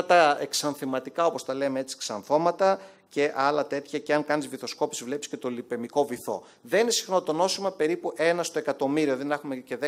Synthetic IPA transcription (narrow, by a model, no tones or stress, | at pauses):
ɐt̪ɐeksɐnθimɐt̪ikɐo̞po̞st̪ɐle̞meet͡si̥ksɐnθo̞mɐt̪ɐ | ce̞ʔɐlɐt̪e̞t̪çɐceɐŋkɐnizviθo̞sko̞pi̥sivle̞pisce̞t̪o̞lipe̞miko̞viθo̞̰ | ðeninesi̥xno̞t̪o̞no̞simɐpe̞ɾipuʔe̞nɐst̪oe̞kɐt̪o̞miɾioðinexumece̞ðe